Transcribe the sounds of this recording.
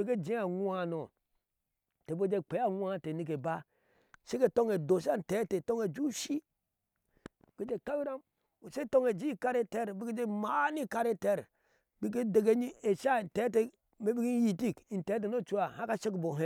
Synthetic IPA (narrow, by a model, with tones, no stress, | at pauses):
i˦ke˦d͡ʒi˦a˨ŋu˦a˦˨no˨ | te˨bo˦d͡ʒe˦k͡pe˨˦a˦˨ŋʷ˦a˦˨te˨ni˦k̬e˨ba˦ | se˦ke˦to˦ŋe˨do˨sa˦n̩˨te˨˦te˨to˦ŋe˨d͡ʒu˦ʃi˦˨ | ke˦d͡ʒe˦˨ka˦wi˦ɾa˦m | o˨se˦to˦ŋe˨d͡ʒi˦ka˦ɾe˦te˦ɾbi˦ke˦d͡ʒe˦ma˨˦ni˦ka˦ɾe˦te˦˨ɾ | bi˦k̬e˦de˨ɡe˦ɲi˦e˨ʃa˦˨n˨te˨˦t̬e˦ | me˦bi˦ki˦n˦ji˨ti˦˨kn̩˨te˨˦t̬e˨no˦˨t͡ʃu˦a˨ha˦ka˦ʃe˦kbo˨ɦe˦